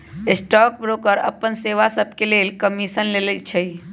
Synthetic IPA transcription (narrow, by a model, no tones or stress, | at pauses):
esʈɔk̚bɾokəɾə̰pːənseʋasəbʱkelelkəmisənlelət͡ʃʰəj